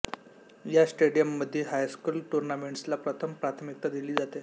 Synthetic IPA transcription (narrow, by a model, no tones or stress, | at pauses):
jasʈeɽijəmːəd̪ʱːjeɦajskuːlʈuɾnameɳʈslapɾət̪ʰəmpɾat̪ʰmik̚t̪ad̪iliːd͡zat̪e